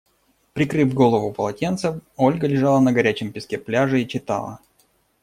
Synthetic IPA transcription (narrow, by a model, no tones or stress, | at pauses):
pɾʲɪkɾɨvɡo̞lˠəvʊpəlˠɐtʲe̞nt̪səfo̞lʲɡəlʲɪʐɑlˠənəɡɐɾʲæt͡ɕɪmpʲɪskʲeplʲaʐɨit͡ɕɪt̪a̰lˠə̰